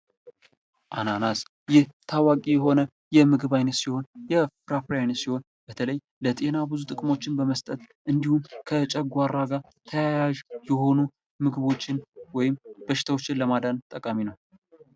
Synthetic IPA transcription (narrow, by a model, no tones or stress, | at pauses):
ʔananas | jɪht̪ʰawakʼijɛɦo̞nə | jɛmɨɡɨβajnət̪siho̞njɛpɾapɾjajnət̪siho̞n | b̥ət̪ʰələj | lət̪ʼe̞nabɨzut̪ʼɨkʼmo̞t͡ʃːɪnbəməst̪ʼət̪ʔɨnd̪ihumkʰət͡ʃʼɛɡʷaɾaɡa | t̪ʰəjajaʒjɛho̞nu | mɨɡɨβo̞t͡ʃːɪnwɔjɪmbəʃɪ̥t̪ʰawot͡ʃːɪnləmad̪ant̪ʼəkʼaminəw